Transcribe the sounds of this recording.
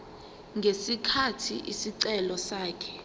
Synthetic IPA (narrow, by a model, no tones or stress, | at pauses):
ŋɡʱesikʰatʰiʔisiǀɛlɔsaːkʰɛ̥